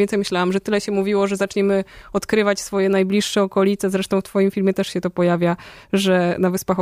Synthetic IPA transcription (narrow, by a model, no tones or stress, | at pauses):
ɛnt̪sɛjmɘɕlawamʐɛt̪ɘlɛɕɛmuvʲiwɔʐɛzat͡ʂɲɛmɘɔt̪kɾɘvat͡ɕsfɔjɛnajblʲiʂːɛɔkɔlʲit̪sɛzɾɛʂt̪ɔw̃ft̪fɔjimfʲilmʲjɛt̪ɛʂɕɛt̪ɔpɔjavʲjaʐɛnavɘspax